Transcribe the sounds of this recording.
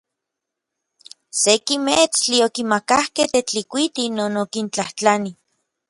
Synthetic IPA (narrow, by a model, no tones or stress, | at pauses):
sekimet͡st͡ɬiokimakahkeht̪et͡ɬikʷit̪inoːnokint͡ɬaht͡ɬani